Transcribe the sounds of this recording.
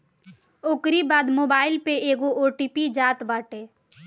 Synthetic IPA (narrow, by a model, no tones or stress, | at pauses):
oːkɾibaːd̪moːbaːɪlpeeːɡoʔoːʈiːpid͡ʒaːt̪baːʈeː